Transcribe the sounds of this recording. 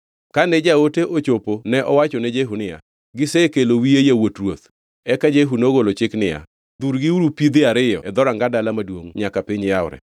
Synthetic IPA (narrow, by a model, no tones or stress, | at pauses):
kanɛd͡ʒaoteʔot͡ʃoponɛʔɔwat͡ʃɔnɛd͡ʒeɦunɪja̰ | ɡɪsɛkelowiejawotrwot̪ | ɛkad͡ʒeɦunoɡolot͡ʃɪknɪja̰ | d̪uɾɡɪuɾupid̪ɪaɾɪjɔ̰ɛd̪ɔɾaŋɡadalamadwoŋɲakapɪɲjaʊɾɛ̰